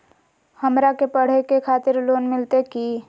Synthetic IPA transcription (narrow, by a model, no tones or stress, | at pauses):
həmɾakepəɽ̤ekekʰaːt̪ɪɾloːnmɪlt̪eki